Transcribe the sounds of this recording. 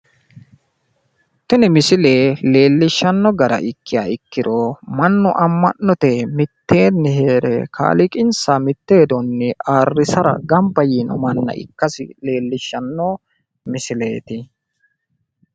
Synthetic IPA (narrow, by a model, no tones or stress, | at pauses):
t̪ːʊnɪmɪsɪle̞ːle̞ːlːɪʃːɐnːɔɡɐɾɐ̰ʔɪkːɪjaːɪkːɪd̪omɐnːʊʔɐmːɐnːɔt̪ɛmɪt̪ːe̞ːnːɪhe̞ːɾɛ̰kʰa̰ːlɪkʼɪnsamɪt̪ːe̞ːd̪ɔnːɛaːrːɪsɐɾɐ̰ɡɐmbɐjinɔ̰mɐnːɐ̰ʔɪ̰kːɐsɪ̰le̞ːlːɪʃːɐnːɔ | mɪsɪle̞̰ːt̪ɪ